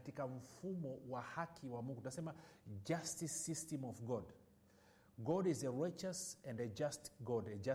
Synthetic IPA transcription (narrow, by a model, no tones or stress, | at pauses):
atikam̩fumɔwahakʰiwamuŋɡuunasɛmad͡ʒastisːistɛmɔvɡɔd | ɡɔdizəɹat͡ʃəsɛ̃ndɛd͡ʒastɡɔdɛd͡ʒa